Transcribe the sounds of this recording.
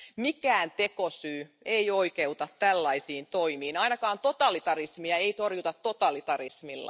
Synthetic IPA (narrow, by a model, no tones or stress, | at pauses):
mikæːnt̪ekosyːeioikeut̪ɑt̪tælːɑisiːnt̪oimiːnɑinɑkɑːnt̪ot̪ɑlit̪ɑrismiɑeit̪orjut̪ɑt̪tːot̪ɑlit̪ɑrismilːɑ̰